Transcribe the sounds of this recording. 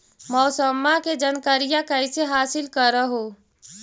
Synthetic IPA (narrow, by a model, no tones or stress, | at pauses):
mɔːsəmːaked͡ʒənkəɾijakəɪseɦaːsɪlkəɾəɦoː